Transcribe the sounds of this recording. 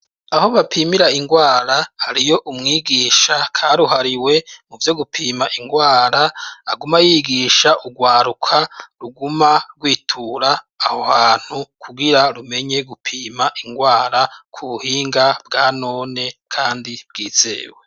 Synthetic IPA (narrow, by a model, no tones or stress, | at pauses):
aho̞βapʰimiɾaiŋɡwaːɾahaɾijo̞ʔumŋiːɡiːʃakʰaɾuɦaɾiwe̞muvjo̞ɡupʰiːmaʔiŋɡwaːɾaaɡumajiːɡiːʃaʔuɡwaːɾukʰaɾuɡumaɡwiːtʰuɾaː | hohaːn̥hukʰuɡiɾaɾume̞ɲeɡupʰiːmaʔiŋɡwaːɾakʰuβuhiːŋɡabɡaːno̞ːne̞kʰaːndib̥ɡiːz̥ḛːwe